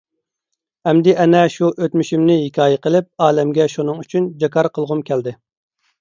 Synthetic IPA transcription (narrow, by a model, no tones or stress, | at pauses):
hɛmd̪ɪʔɛnɛʃuʔøt̪myʃymnɪhɪkʲɑːjɛqəlˠɪp̚ɑːlɛmɡʲɛʃunɨŋyt͡ʃʰynd͡ʒɑkɑɾqʰəlˠʁʊmkʲʰɛld̪ɪ